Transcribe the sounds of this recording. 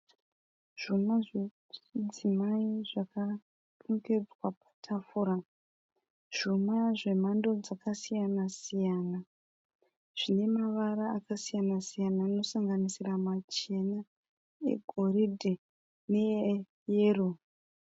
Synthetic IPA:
ʐ̥umaʐ | d͡zimaiʐaka | tuŋɡe̞d͡zwapḁtʰafuɾa | ʐ̥umaʐe̞m̤ando̞d͡zakasijanasijaːna | ʐ̥ine̞maʋaɾaːkasijanasijanaino̞saŋɡanisiramat͡ʃe̞na | e̞̰ɡʱoridʱe | ne̞ | jeːro

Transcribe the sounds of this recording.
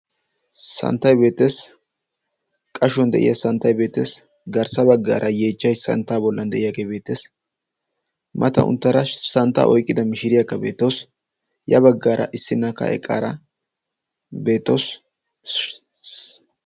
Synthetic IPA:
sɐ̰nt̪ːɐjbe̞ːt̪ːe̞ːs | kʼɐʃɔnd̪ɛʔɪ̰jɐsɐnt̪ːɐjbe̞ːt̪ːeːs | ɡɐɾsɐbɐɡːa̰ːɾʔɐjeːt͡ʃːɐjsɐ̰nt̪ːaːbɔlːɐnd̪ɛʔɪjaɡeːbe̞ːt̪ːes | mʔɐt̪ɐ̰ʊ̰nt̪ːɐɾɐsɐnt̪ːa̰ʔɔjkʼːɪd̪ɐmɪʃɪɾɪjakːɐbe̞̰ːt̪ːos | jɐbɐɡːaːɾɐ̰ʔɪsːɪnːɐkːɐ̰ʔɛ̰kʼːa̰ːɾɐ | be̞ːt̪ːos

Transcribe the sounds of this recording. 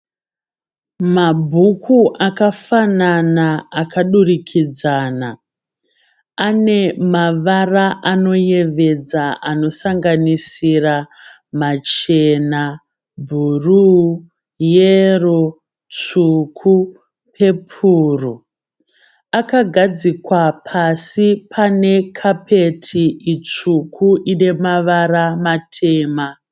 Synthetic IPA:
mabʱukʰuʔakafananaːkaɗurikʰid͡zaːna | ane̞maʋaraʔano̞je̞ʋe̞d͡zaʔano̞saŋɡanisira | mat͡ʃena | bʱuru | jero | t͡ʂukʰu | pʰe̞pʰuːru | akaɡʱad͡zikwapʰasipʰane̞kʰapʰe̞tʰiʔit͡ʂukʰuʔine̞maʋaramatʰe̞ːma

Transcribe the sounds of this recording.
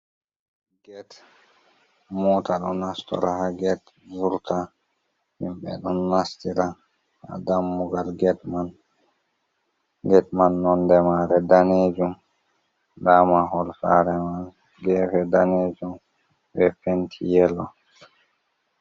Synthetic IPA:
ɡɛt | muːtaɗɔnːastɔ̰ɾahaɡɛt | vuɾta | mimɓɛ̰ɗɔnːastiɾa | ha̰damːuɡalɡɛtman | ɡɛt̚manːɔndɛmaɾɛdaned͡ʒum | damaɦɔlfaɾɛman | ɡɛfɛdaned͡ʒum | wɛfentʰḭjɛlɔ

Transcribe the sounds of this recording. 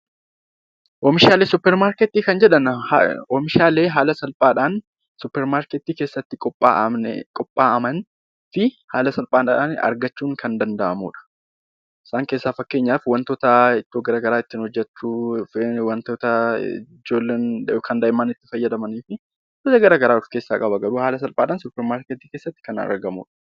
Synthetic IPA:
ʔɔmɪʃaːleːsʊpːɛɾmaːɾkɛt̪ːiːkɐnd͡ʒɛᶑɐn̰ɔmɪʃaːle̞ːɦaːlɐsɐlpʼaːᶑaːn | sʊpːɛɾmaːɾkɛt̪ːiːkeːsːɐt̪ːɪkʼɔpʼːa̰ːʔnɛ̰kʼɔpʼːaːʔɐmɐn | fɪhaːlɐsɐlpʼaːna̰ːnɐ̰ɾɡɐt͡ʃːuːŋkʰɐnd̪ɐnd̪ɐʔɐmṵːᶑɐ̥ | ɪ̥saːŋke̞ːsːaːfɐkːe̞ːɲːaːfwɐnt̪oːt̪ɐɪt̪ːoɡɐɾaːɡɐɾaːɪt̪ːɪnhɔd͡ʒːɛt͡ʃːu | wɐnt̪oːt̪ɐɪ̰ | d͡ʒoːlːeːnkʰɐnd̪ɐjɪmːaːnɪt̪ːɪfɐjːɐd̪ɐmɐniːfɪ | ɐt̪ɐɡɐɾaːɡɐɾaːʊfke̞ːsːaːkʼɐbɐɡɐɾuːhaːlɐsɐlpʼaːᶑaːnsʊpːɛɾmaːɾket̪iːke̞ːsːɐt̪ːɪ̥kɐn̰ɾɡɐmṵːᶑɐ̥

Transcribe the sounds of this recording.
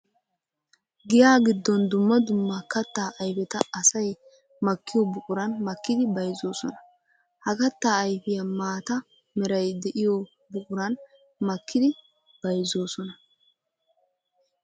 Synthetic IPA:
ɡɪjaːɡɪd̪ːɔnd̪ʊmːɐd̪ʊmːɐkɐt̪ːaːʔɐjfɛt̪ɐɐsɐj | mɐkːɪjɔbʊkʼʊɾɐnmɐkːɪd̪ɪbɐjzoːsɔnɐ | hɐkɐt̪ːaːɐjfɪjɐmaːt̪ɐ | mɛɾɐjd̪ɛʔɪjɔ | bʊkʼʊɾɐn | mɐkʰːɪd̪ɪ | b̥ɐjzo̞ːsɔnɐ

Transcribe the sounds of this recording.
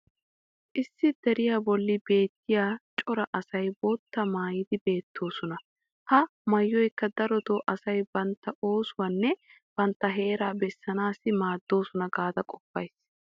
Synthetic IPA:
ʔɪsːɪd̪ɛɾɪjaːbɔlːɪbe̞ːt̪ːɪjaːt͡ʃʼɔɾɐʔɐsɐjbot̪ːɐmaːjɪd̪ɪbe̞ːt̪ʰːo̞ːsɔnɐ | hɐmɐjːɔjkːɐd̪ɐɾɔd̪oːʔɐsɐjbɐnt̪ːɐʔo̞ːsʊwanːɛ | b̥ɐnt̪ːɐɦe̞ːɾaːbɛsːɐnaːsɪmaːd̪ːo̞ːsɔnɐɡaːd̪ɐkʼɔpːɐ̰js

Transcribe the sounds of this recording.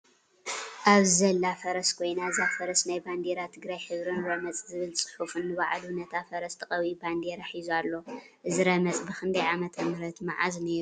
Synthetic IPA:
ʔaβzɐlːafɐɾɐskʰo̞jnazafɐɾɐsnajband̪eɾat̪ʰɨɡɾajħɨβɾɨnɾɐmɐt͡sʼzɨβɨlsʼɨ̥ħufɨnːɨβaʕalunɐt̪ʰafɐɾɐst̪ʰɐqʼɐβiband̪eɾɐħizualːo̞ | ʔɨzɨɾɐmɐt͡sʼbɨxʰɨnd̪ʰɐjʕamɐt̪ʰɐmɾɐt̪maʕazneɾu

